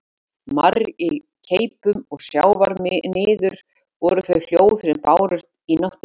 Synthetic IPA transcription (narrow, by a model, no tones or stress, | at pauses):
mari | cʰejpʏmɔɣsjaːwvaɾnɪːðʏɾ̥ | vɔɾʏθœɥl̥joːwθɾɛmpaːwɾʏɾ̥t̪inɔht̪